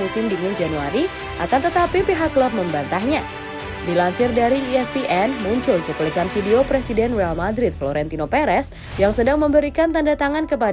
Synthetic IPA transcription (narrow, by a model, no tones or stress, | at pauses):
usɪmdiŋɪnd͡ʒanuaɾi | ʔakant̪ət̪apipiɦakːlɔp̚məmbant̪ahɲa | dilansɪrdaɾiɛspiʔɛnmuɲt͡ʃʊlt͡ʃukulikanfideopɾesidɛnrealmadɾɪt̪̚floɾɛnt̪inopɛɾɛs | jaŋsədaŋməmbəɾikant̪andat̪aŋankəp̬a